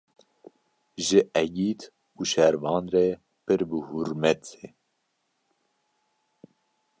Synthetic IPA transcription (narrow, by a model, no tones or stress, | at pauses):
ʒɨʔɛɡiːt̪ | uːʃɛɾvɑːnrɛ | pɨɾbɨhuɾmɛt̪e